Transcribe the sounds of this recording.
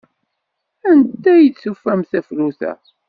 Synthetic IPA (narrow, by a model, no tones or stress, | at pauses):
ænt̪ːæjət͡ssufːæmθæfluθæ̰